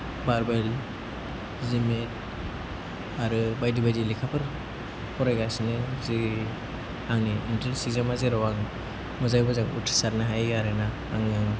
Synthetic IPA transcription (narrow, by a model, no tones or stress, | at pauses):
baɾbajl | zimit̚ | aɾɯbajdibajdilikʰapʰɯɾ | pʰɔɾajɡasinɯzi | aŋniintelsizamazeɾɔwaŋ | mɔzajbɔzaŋṵtʰi̥saɾnaɦajaɾɯnaːŋaŋɯ